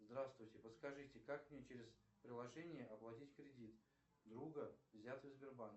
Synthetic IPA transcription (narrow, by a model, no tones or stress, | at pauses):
zd̪ɾast̪vʊjtʲɪpət̪skɐʐɨtʲɪkakmnʲet͡ɕeɾʲɪzpɾʲɪlˠɐʐɛnʲɪjəɐplˠɐtʲitʲkɾʲɪdʲit̪ | d̪ɾuɡəvzʲat̪vɪzbʲɪrbank